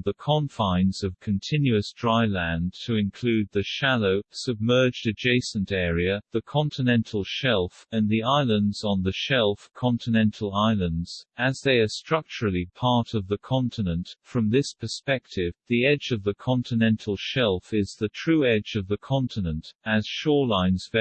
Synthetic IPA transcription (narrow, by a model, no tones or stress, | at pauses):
ðəkʰɑ̃ɱfãɪ̃nzʌv̥kʰɨ̃n̩tʰɪ̃njʉɨsd̥ɹaɪlæ̃ntʰɨɨ̃nkʰl̥ʉd̪̚ðɨʃæloʊsɨb̚mɜ˞d͡ʒdɨd͡ʒeɪsɨ̃n̩tɛɹiɨðɨkʰɑ̃ntʰɨnɛ̃ntʰˡl̩ˠʃɛlˠfɨ̃nðiaɪlˠə̃ndzn̩ðɨʃɛlˠfkʰɑ̃ntʰɨnɛ̃ntʰˡl̩ˠaɪlˠə̃ndz̥ɨzðeɪə˞stɹ̥ʌk̚t͡ʃəɹl̩ˠipʰɑɹɾʌvðɨkʰɑ̃ntʰɨnɨ̃ntfɹʌ̃mðɪspʰə˞spɛk̚tʰɪvðiɛd͡ʒʌvðɨkʰɑ̃ntʰɨnɛ̃ntʰˡl̩ˠʃɛlˠfɪzðɨtʰɹ̥ʉɛd͡ʒʌvðɨkʰɑ̃ntʰɨnə̃ntɨz̥ʃɔɹlãɪ̃nz̥v